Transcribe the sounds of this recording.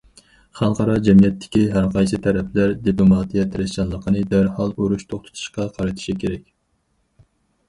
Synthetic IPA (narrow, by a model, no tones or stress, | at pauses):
χɑlˠqʰɑɾɑd͡ʒɛmijɛt̪ʰːɪ̥kʲiɦæɾqʰɑjsɨt̪ʰɛɾɛpʰlæɾd̪iplˠomɑt̪ijɛt̪ʰɾɪst͡ʃɑnlˠəqʰənɨd̪æɾhɑlˠoɾuʃt̪ʰoχt̪ʰɨ̥t̪ʰu̥ʃqɑqʰɑɾɨt̪ʰɪ̥ʃikʲʰeɾɛkʲ